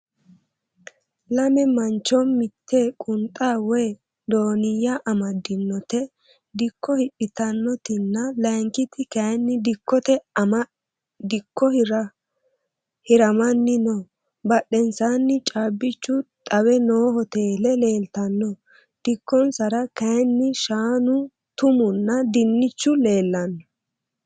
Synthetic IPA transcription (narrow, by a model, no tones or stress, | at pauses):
lɐmɛmɐnt͡ʃːɔmɪt̪ʰːeːkʼʊnt̪ʼaːwɔj | d̪oːnɪjːɐʔɐmɐd̪ɪnːɔt̪ɛ | d̪ɪkʰːɔhɪpʼːɪt̪ɐnːɔt̪ɪnːɐlɐjŋkɪt̪ɪkɐjnːɪd̪ɪkːɔt̪ɛmɐ | d̪ɪkʰːɔhɾɐ | hɪɾɐmɐnːɪnɔ | bɐɗɛnsaːnːɪt͡ʃʼaːbːɪt͡ʃːʊt̪ʼɐwɛno̞ːhɔt̪eːlɛle̞ːlt̪ɐnːɔ | d̪̥ɪkːɔnsɐɾɐkɐjnːɪʃaːnʊ | t̪ʊmʊnːɐd̪ɪnːɪt͡ʃːʊle̞ːlːɐnːɔ